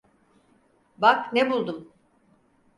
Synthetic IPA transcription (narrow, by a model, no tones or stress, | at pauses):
baknebulˠd̪um